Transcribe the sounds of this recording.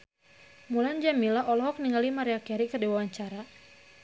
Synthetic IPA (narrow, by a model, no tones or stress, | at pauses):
muland͡ʒamilaʔɔlɔɦɔk̚niŋalimaɾeakaɾikərdewaaɲt͡ʃaɾa